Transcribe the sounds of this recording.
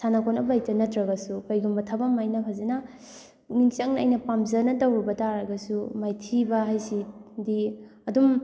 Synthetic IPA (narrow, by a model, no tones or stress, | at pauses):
sʰanakʰonɐbajtɐnɐtʰɾɐɡɐsukajɡumbɐtʰabamajnɐpʰazena | niŋt͡ʃaŋnɐjnɐpamzɐnɐtawɾibɐtaɾɐɡɐsumajtʰibɐɦajsidi | ɐdum